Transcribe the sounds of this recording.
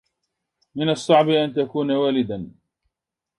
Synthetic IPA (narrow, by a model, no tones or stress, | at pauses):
mɪnɑsˤːɑʕbɪʔant̪akuːnawaːlɪd̪an